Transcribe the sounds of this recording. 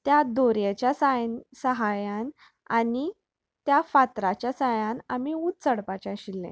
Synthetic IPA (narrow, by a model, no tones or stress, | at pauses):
t̪jad̪oɾjat͡ɕjasajnsəɦajan | ani | t̪jafat̪ɾat͡ɕjasəɦjãnamiut̪t͡səɽpat͡ɕaɕilːḛ̃